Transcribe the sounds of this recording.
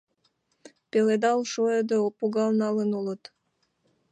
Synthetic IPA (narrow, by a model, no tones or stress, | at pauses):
peled̪ɑlˠʃojed̪oopuɣɑlˠnɑlənulət̪